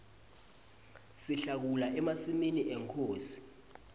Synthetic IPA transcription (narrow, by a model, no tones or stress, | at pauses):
siɬak̬ulaʔɛmasiminiʔɛŋkʰoːsi̥